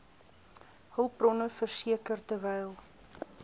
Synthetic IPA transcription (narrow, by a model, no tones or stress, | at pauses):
həlˠprɔnəfərsiəkərtəvɛjlˠ